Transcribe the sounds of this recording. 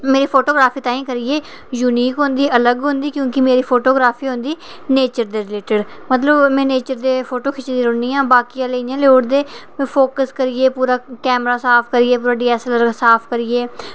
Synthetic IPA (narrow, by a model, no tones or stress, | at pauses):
meːɾiːpʰoːʈoːɡɾaːpʰiːt̪ãːĩːkəɾiːeː | juːniːkɦõnd̪iːʔələɡɦʊ̃nd̪iːkjõːkɪmeːɾiːpʰoːʈoːɡɾaːpʰiːɦõnd̪iː | neːt͡ʃəɾd̪eːɾɪleːʈəɖmət̪ləbmɛ̃ːneːt͡ʃəɾd̪eːpʰoːʈoːkʰɪt͡ʃd̪iːɾõːnd̪iːãːbaːkijãːleijãːloːɖd̪ẽː | pʰoːkəskəɾɪeːpuːɾaːkɛːmɾaːsaːpʰkəɾɪːeːp̬uːɾaːɖiːɛːsləɾsaːpʰkəɾɪːeː